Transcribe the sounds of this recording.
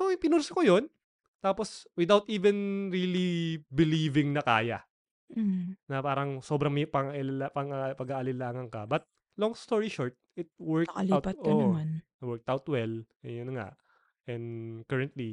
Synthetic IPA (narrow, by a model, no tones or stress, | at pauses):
sopɪnulsokojon | t̪aːposwɪd̪awt̪ʔiːvɛnɹiːlibɪliːvɪŋnɐkaːjɐ | nɐpaːɾɐŋso̞ːbɾɐŋmpɐŋaʔɪllapɐŋɐpɐɡaʔɐlɪlaːŋɐŋkɐbɐt̪̚ | loŋst̪oɹiʃoɹt̪̚ɪt̪̚wɛɹkɐliwtpt̪ʔoʔman | wɛɹk̚t̪awt̪wɛl | ɛjʊnːɐŋa̰ʔ | ʔɛ̃nd̪kɛɹɛnt̪li